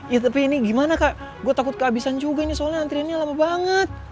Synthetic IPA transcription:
jat̪apɛiniɡimanakaʔ | ɡuat̪akʊt̪̚kəabisand͡ʒuɡainisolaant̪ɾianɲalamabaŋət̪̚

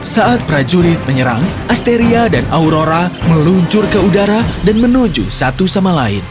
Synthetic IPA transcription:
saat̪̚pɾad͡ʒuɾɪt̪̚məɲəɾa̰ŋʔast̪eɾiadanʔauɾoɾaməluɲt͡ʃʊrkəudaɾadanmənud͡ʒṵsat̪usamalaɪ̰n

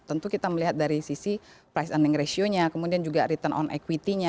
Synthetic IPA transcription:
t̪ənt̪ukit̪aməliɦat̪̚daɾisisi | pɾajsaniŋɾesioɲakəmudiand͡ʒuɡaɾit̪ənʔɔ̰nʔḛkwit̪iɲa

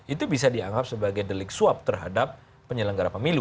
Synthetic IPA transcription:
ʔit̪ubisadiaŋɡap̚səbaɡajdəlɪk̚suap̚t̪ərɦa̰dapː | əɲələŋɡaɾapəmilu

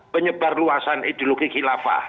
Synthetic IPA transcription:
pəɲəb̥a̤rluasanid̪̥oloɡikilafa̰

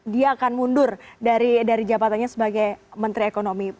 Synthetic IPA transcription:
diaːkanmundʊrdaɾidaɾid͡ʒabat̪anɲasəbaɡajmənt̪ɾiekonomi

